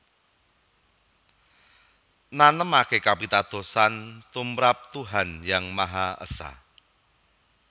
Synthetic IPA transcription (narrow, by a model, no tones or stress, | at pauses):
nanəmakekapit̪ad̪̥o̤sant̪umɾap̚t̪uɦanjaŋmaɦaʔə̰sa̰